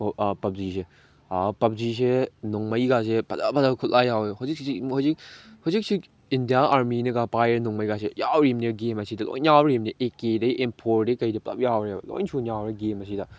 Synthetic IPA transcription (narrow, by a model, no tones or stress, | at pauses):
pɐp̚zise | pɐp̚zis̬enɔŋmɐjɡas̬epɐ̰dapɐdakʰut̚lajaweɦɔzik̚ihawzik̚hɔwzik̚si | indijaaɾminɐɡapajeɾnuŋmɐjɡasejawɾimniɡemɐsidɐlo̰jnjawɾimniʔekedɐiʔempʰoɾdekɐjdɐplɐ̰p̚jawɾibɐlo̰jnsʰunjawɾeɡemɐsidɐ